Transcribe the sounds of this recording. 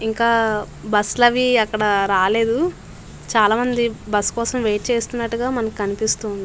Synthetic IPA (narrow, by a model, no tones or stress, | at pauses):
iŋkaː | bɐslɐʋiɐkːɐɽɐɾaːleːd̪u | t͡ʃaːlaːmɐnd̪ibɐskɔːsɐmʋe̞ːʈ̚t͡ʃeːst̪unːɐʈːuɡaːmɐnɐkikɐnipist̪uːnd̪ii